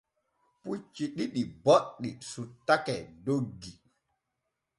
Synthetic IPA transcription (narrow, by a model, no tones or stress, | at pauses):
put͡ʃːiɗiɗiboɗːisutːakɛdoɡːi